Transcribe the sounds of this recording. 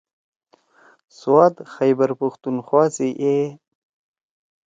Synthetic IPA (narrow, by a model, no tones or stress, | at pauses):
swɑt̪xajbəɾpʊxt̪unxwɑːsiʔe